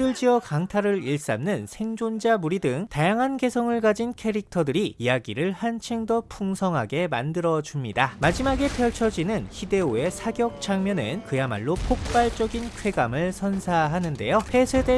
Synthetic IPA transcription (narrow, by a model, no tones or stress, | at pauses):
ɯɭd͡ʑiʌkaŋtʰaɾɯɾiɭs͈a̰mnɯnsʰe̞ŋd͡ʑond͡ʑamuɾidɯŋtajaŋɦanɡe̞sʰʌŋɯɭɡad͡ʑinkʰeɾik̚tʰʌdɯɾiːjaɡiɾɯɭhant͡ɕʰeŋdʌpʰuŋsʰʌŋɦaɡe̞mandɯɾʌd͡ʑumɲidamad͡ʑimaɡe̞pʰjʌɭt͡ɕʰʌd͡ʑinɯnçide̞oe̞sʰaɡjʌk̚t͡ɕʰaŋmjʌnɯ̰nkɯjama̰ɭːopʰok̚p͈aɭt͡ɕ͈ʌɡinkʰwe̞ɡamɯɭsʰʌnsʰaɦanɯnde̞̰jopʰe̞sʰede̞